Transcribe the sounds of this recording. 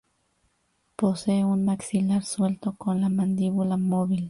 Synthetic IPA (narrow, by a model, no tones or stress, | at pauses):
poseunmaksilaɾswelt̪okonlamand̪iβulamoβil